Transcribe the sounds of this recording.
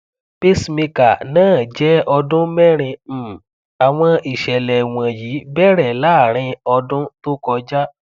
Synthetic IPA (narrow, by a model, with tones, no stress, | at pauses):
pi˦smĩ˧ka˨nãː˦˨d͡ʒɛ˦ɔ˧dʊ̃˦mɛ˦ɾ̃ĩ˧˦˨ | a˨w̃ɔ̃˧i˨ʃɛ˨lɛ˨w̃ã˨jiː˨˦bɛ˦ɾɛ˨la˦˨ɾ̃ĩ˧ɔ˧dʊ̃˦to˦kɔ˧d͡ʒa˦